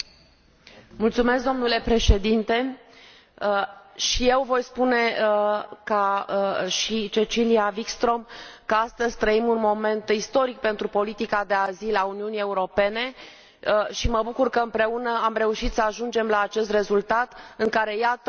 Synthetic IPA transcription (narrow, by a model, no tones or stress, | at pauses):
mult̪sume̞skd̪o̞mnule̞pɾe̞ʃe̞d̪int̪e̞ | əʃije̞wvo̞jspune̞ | ka | ʃit͡ʃe̞t͡ʃiliavikst̪ɾo̞mkəast̪əzʲt̪ɾəimunmo̞me̞nt̪ist̪o̞ɾik̚pe̞nt̪ɾupo̞lit̪ikad̪e̞azilauniunie̞uɾo̞pe̞ne̞ | ʃiməbukurkəɨmpɾe̞unəamre̞uʃit̪səaʒund͡ʒe̞mlaːt͡ʃe̞st̪re̞zult̪at̪ɨŋkaɾe̞jat̪ə